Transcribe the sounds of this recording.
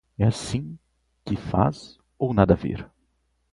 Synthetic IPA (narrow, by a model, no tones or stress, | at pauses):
ɛasĩ | kɪfa̰z | ownad̪ɐvḛɾ